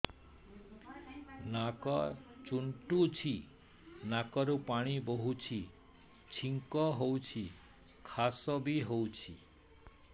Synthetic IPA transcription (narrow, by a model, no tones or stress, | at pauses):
nakɔt͡ʃuɳʈut͡ʃʰi | nakɔɾupaɽ̃iboɦut͡ʃʰi | t͡ʃʰiŋkɔɦowt͡ʃʰi | kʰasɔbiɦowt͡ʃʰḭ